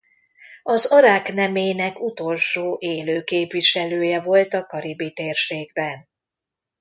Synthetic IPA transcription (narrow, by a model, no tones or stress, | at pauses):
ɒzɒɾaːknɛmeːnɛkut̪o̞lʃoːʔeːløːkeːpviʃɛløːjɛvo̞lt̪ɒkɒɾibit̪eːrʃeːɡ̚bɛn